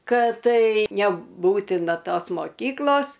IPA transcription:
ˈkɐt ˈtɐɪ nʲɛˈbuːtʲɪnɐ ˈtoːs moːˈkʲiːklˠoːs

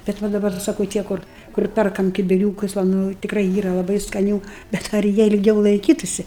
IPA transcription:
bʲɛt ˈʋɐ dɐˈbɐr sɐˈkɐʊ ˈtʲiɛ kʊr kʊr ˈpʲɛrkɐm kʲɪbʲɪˈrʲuːkʊs ʋɐ ˈnʊ tʲɪkˈrɐɪ ˈiːrɐ lˠɐˈbɐɪ skɐˈnʲuː bʲɛt ɐr ˈjiɛ ɪlʲˈɡʲɛʊ lˠɐɪˈkʲiːtʊsʲɪ

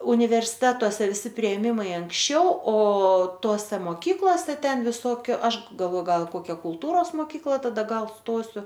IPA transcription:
ʊnʲɪʋʲɛrʲsʲɪˈtʲæːtoːsʲɛ ʋʲɪˈsʲɪ pʲrʲɪeːˈmʲɪmɐɪ ɐŋksʲˈt͡ʃʲɛʊ oː ˈtoːsʲɛ moːˈkʲiːklˠoːsʲɛ ˈtʲɛn ʋʲɪˈsoːkʲʊ ˈɐʃ ɡɐlˠʋoː ˈɡɐlˠ ɪ ˈkoːkʲɛ kʊlˠˈtuːroːs moːˈkʲiːklˠɐ tɐˈdɐ ˈɡɐlˠ ˈstoːsʲʊ

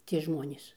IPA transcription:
tʲiɛ ˈʒmoːnʲeːs

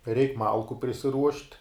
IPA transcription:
ˈrʲɛɪk ˈmɐlˠkʊ pʲrʲɪsʲɪˈruɔʃʲtʲ

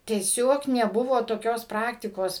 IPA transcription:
tʲiɛˈsʲoːk nʲɛˈbʊʋoː toːˈkʲoːs ˈprɑːktʲɪkoːs

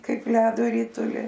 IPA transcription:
ˈkɐɪp ˈlʲæːdoː ˈrʲɪtʊlʲɪ

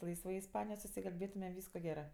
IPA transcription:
ˈlˠɐɪsʋɐɪ ɪsˈpɑːnʲɪjoːj sʊsʲɪkɐlʲˈbʲeːtʊmʲɛ ˈʋʲiːskoː ˈɡʲæːrɜ

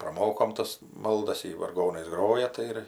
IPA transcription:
prɐˈmoːkoːm ˈtɐs ˈmɐlˠdɐs ˈjɪ ʋɐrˈɡoːnɐɪs ˈɡroːjɛ ˈtɐɪ ɪr

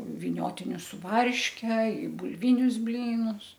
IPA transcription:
ʋʲɪˈnʲoːtʲɪnʲʊs sʊ ˈʋɐrʲʃʲkʲɛ ɪ bʊlʲˈʋʲɪnʲʊs ˈbʲlʲiːnʊs

